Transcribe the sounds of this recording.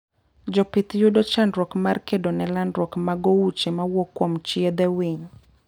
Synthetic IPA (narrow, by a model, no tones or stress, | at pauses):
d͡ʒɔpɪt̪jʊdot͡ʃandɾɔkmarkedonɛlandɾwɔkmaɡowut͡ʃemawɔkːwomt͡ʃiɛd̪ɛwiɲ